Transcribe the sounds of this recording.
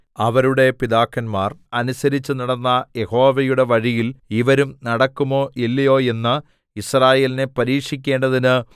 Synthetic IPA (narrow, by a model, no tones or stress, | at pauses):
ɐʋɐɾuɽe̞piðaːkːɐnmaːrɐnusɐɾit͡ɕːɨnɐɽɐnːɐje̞ho̞ːʋɐjuɽe̞ʋɐɻijiliʋɐɾumnɐɽɐkːumo̞ːʔelːijo̞ːe̞nːɨ | israːje̞ːline̞pɐɾiːkʂikʲːe̞ːɳɖɐðinɨ